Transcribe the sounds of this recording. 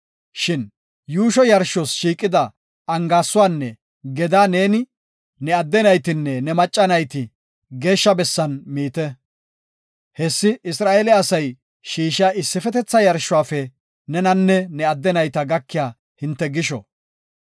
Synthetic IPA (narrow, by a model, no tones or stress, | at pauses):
ʃɪn | juːʃɔjɐɾʃɔsʃiːkʼːɪd̪ɐ | ɐŋɡaːsːʊwaːnːɛ | ɡɛd̪aːne̞ːnɪ | nɛɐd̪ːɛnɐjt̪ɪnːɛnɛmɐt͡ʃʼːɐnɐjt̪ɪ | ɡe̞ːʃːɐbɛsːɐnmiːt̪ɛ | hɛsːɪɪsɾaːʔelɛɐsɐj | ʃiːʃaːʔɪsːɪfɛt̪ɛt͡sːɐjɐɾʃːʊwaːfɛ | nɛnɐnːɛnɛɐd̪ːɛnɐjt̪ɐɡɐkːɪjaː | hɪnt̪ːɛɡɪʃɔ̰